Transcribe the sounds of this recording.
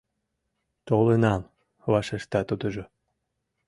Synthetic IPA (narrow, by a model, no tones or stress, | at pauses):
t̪olenɑm | βɑʃeʃt̪ɑt̪ud̪ə̆ʒo